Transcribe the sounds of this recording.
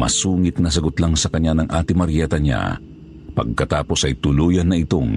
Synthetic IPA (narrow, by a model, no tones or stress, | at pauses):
mɐ̰suːŋɪt̪̚nɐs̬ɐɡot̪laŋsɐkɐɲːanɐŋʔaːt̪ɪmɐɾjɛːt̪ɐɲa̰ | pɐ̰ɡ̚kɐt̪aːpo̞sʔɐjt̪ʊluːjɐnːɐɪt̪oŋ